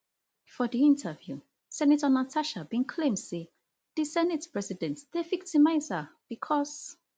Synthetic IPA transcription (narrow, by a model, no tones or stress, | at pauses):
fɔðiĩntʰəvju | sɛnatənatʰaʃabĩnkʰlẽmd̥se | ð̥isɛnɛtpɹɛsidɛ̃ntð̥evik̚timaɪzab̥ikʰɔs